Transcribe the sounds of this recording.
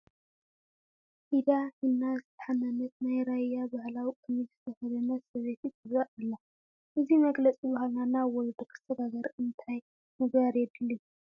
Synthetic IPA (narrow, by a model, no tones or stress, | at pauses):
ʔid̪ahɨnːazɨt̪ʰɐ̥ħamɐnɐt̪̚najɾajabahlawikʼɨnizɨt̪ʰɐxɐd̪ɐnɐsɐβet̪it̪ʰɨzaʔɨlːa | ʔɨzimɐɡlɐt͡sʼibaɦalnanawɔld̪okʰɨ̥st̪ʰɐd̪aɡɐɾɨnt̪ʰaj | mɨɡbaɾjɛd̪ɨlːu